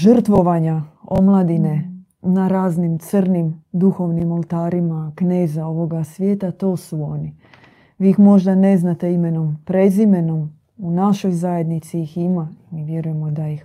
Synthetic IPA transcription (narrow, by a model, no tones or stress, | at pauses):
ʒr̩t̪ʋo̞ʋaɲao̞mlˠad̪ine̞ | naɾaːznimt̪sər̩nimd̪uxo̞ʋnimo̞lˠt̪aːɾimakne̞ːzao̞ʋo̞ɡasʋʲje̞ːt̪at̪o̞ːsuo̞ni | ʋiːixmo̞ʒd̪ane̞znat̪e̞ime̞no̞mpɾe̞zime̞no̞m | unaʃo̞jzaje̞d̪nit̪siiximaiʋje̞ɾuje̞mod̪ajix